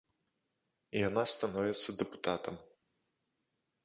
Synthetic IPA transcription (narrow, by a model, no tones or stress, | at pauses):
ijanast̪anɔvʲɛt̪sːɐd̪ɛpu̥t̪at̪ɐm